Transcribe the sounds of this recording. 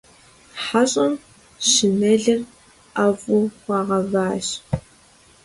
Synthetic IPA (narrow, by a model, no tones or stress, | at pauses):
ħaɕʼɐm | ɕɪnɐɮɐr | avʼʊwʷɑːʁɐvaːɕ